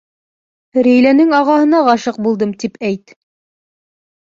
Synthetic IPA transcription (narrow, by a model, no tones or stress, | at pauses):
ɾejlænɘŋɑʁɑɦɤ̆nɑʁɑʃɤq̚bulˠd̪ɤmt̪ipʰæjt̪